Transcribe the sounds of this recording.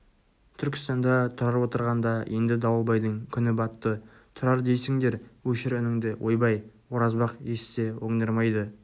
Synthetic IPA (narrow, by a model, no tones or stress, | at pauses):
t̪ʰʏɾkʲɪ̥st̪ɑnd̪ɑt̪ʰʊɾɑɾwo̞t̪əɾʁɑnd̪ɑjʔe̞nd̪ɪd̪ɑwəlˠbɑjd̪əŋkʲʰʏnɪbɑt̪ːə | t̪ʰʊɾɑɾd̪e̞jsɪŋd̪e̞ɾwɵʃɪɾʏnɪŋd̪ɪwʔo̞jbɑjwo̞ɾɑzbɑqje̞sse̞woŋd̪əɾmɑjd̪ə